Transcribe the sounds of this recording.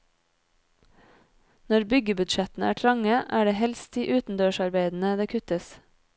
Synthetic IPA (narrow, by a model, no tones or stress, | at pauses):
nɔɾbʏɡəbʉd̪ʃɛt̪n̩æ̰ːʈʰɾɑŋəʔæːɖeːhɛlst̪̚d̪iʔʉːt̪n̩d̪øːʃɑɾbeɪd̪n̩əd̪eːkʰʉt̪əs